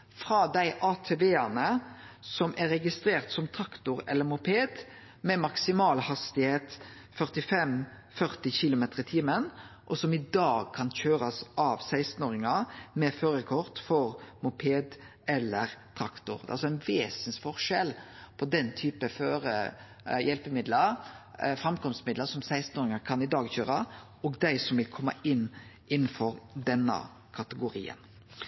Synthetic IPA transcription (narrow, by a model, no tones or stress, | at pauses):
fɾɑːd̪æɪʔɑːt̪ʰeːʋeːɑnəsɔmʔæɾɛɡɪst̪ɾeːʁt̪sɔmt̪ʰɾɑkt̪ʊɾɛ̰lːəɾmʊpʰeːd̪ | mɛmɑksɪmɑːlhɑst̪ɪheːt̪ | fœʁt̪ɪfɛm | fœʁt̪ɪçɪlʊmeːt̪əʁɪt̪ʰiːmənʔɔsɔmɪd̪ɑːɡ̚kʰɑnçøːɾɑsʔɑʋsæɪst̪n̩oːɾɪŋɑmɛføːɾəkʰɔʁt̪fɔɾmʊpʰeːd̪ | ɛlːəɾt̪ʰɾɑkt̪ʊɾɛ̰ʔɑlsɔæɪnʋeːsnsfɔʁʂɛlpʰɔd̪ɛnt̪ʰyːpəføːɾə | jɛlpəmɪd̪ləɾfɾɑmkɔmst̪mɪd̪ləɾsɔmsæɪst̪noːɾɪŋɑkʰɑnɪd̪ɑːɡçøːɾɑʔɔːɡd̪æɪsɔmʋɪlkʰɔmːɑ̰ɪnː | ɪnːn̩fɔɾd̪ɛnːə̰ | kʰɑt̪əɡʊɾḭːə̰n